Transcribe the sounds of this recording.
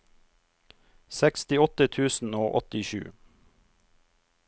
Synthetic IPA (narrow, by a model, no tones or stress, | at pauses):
sɛkst̪ɪɔt̪ət̪ʰʉːsn̩oːʔɔ̰t̪ɪʃʉ̰ː